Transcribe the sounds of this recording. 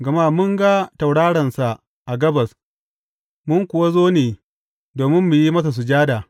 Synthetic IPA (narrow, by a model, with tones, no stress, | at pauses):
ɡɐ˨ma˦mʊ˦ŋɡa˦ta˨wɽaː˦ɽɐ˨nsa˨ʔ | ʔa˨ɡɐ˦bɐ˨s | mʊ˦ŋkʷʊ˨wa˦zoː˦neː˨ | doː˨mɪ˦mːu˨ji˦mɐ˦s̬a˨s̬u˨d͡ʒaː˦daː˨